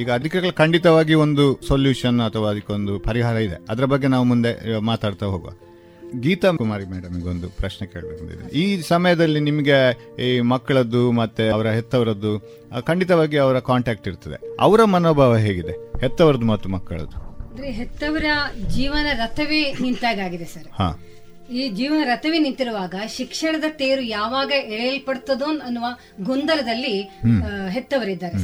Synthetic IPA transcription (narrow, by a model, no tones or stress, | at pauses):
iːɡɐːd̪ʱikɐɡɐɭkɐɳɖit̪ɐʋaːɡio̞nd̪usoljuːʂɐnɐt̪ʰɐʋaːɐd̪ɐkːeond̪upɐɾiɦaːɾɐid̪ḛɐd̪ɐɾɐbɐɡːenaːʋumund̪e̞maːt̪aːɽt̪aɦoːɡɐa̰ | ɡiːt̪ɐumaːɾimeːɽɐmiɡeond̪upɾɐʃneke̞ːɭbɐkɐɳd̪ḭd̪ḛnḭiːsɐmɐjɐd̪ɐlːinimɐɡe̞ | mɐkːɐɭɐd̪ːumɐt̪ːeɐʋɐɾɐɦɛt̪ːɐʋɐɾɐd̪ːu | kɐɳɖit̪ɐʋaːɡiɐʋɐɾɐkaːɳʈaːk̚ʈiɾt̪ɐd̪e̞̰ɐ̰ʋɐɾɐmɐnoːbʱaːʋɐɦe̞ːɡid̪ehɛt̪ːɐʋɐɾɐd̪umɐt̪ːumɐkːɐ̰ɭɐ̰d̪uand̪ɐɾeɦet̪ːɐʋɐɾɐd͡ʒiːʋɐnɐɾɐt̪ʰɐʋenint̪aːɡaːɡid̪esɐɾha̰ː | iːd͡ʒiːʋɐnɐɾɐt̪ɐʋenint̪iɾuʋaːɡɐʃikʂɐɳɐd̪ɐʈeːɾujaːʋaːɡɐeɭjɐlpɐɽt̪ːɐd̪oːnɐnːuʋaː | ɡund̪ɐlɐd̪ɐlːi | ɦet̪ːɐʋɐɾid̪ːaːɾesɐ